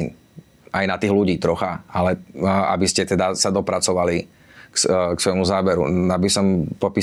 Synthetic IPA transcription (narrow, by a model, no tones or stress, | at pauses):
ajnat̪iːɣluɟiːt̪ɾɔxaalɛa̰biscɛt̪ɛd̪asad̪ɔpɾat͡sɔʋali | ksksʋɔjmuzaːbɛɾṵabisɔmpɔpiː